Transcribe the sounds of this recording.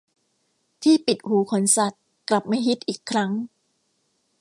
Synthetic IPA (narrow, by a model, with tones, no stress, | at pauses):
t̪ʰiː˥˩pi˨˩t̪̚huː˨˩˦kʰo˩˦nsa˨˩t̪̚ | kla˨˩p̚ma˥˩jɦi˦˥t̪̚ʔiː˨˩kʰːɾa˦˥ŋ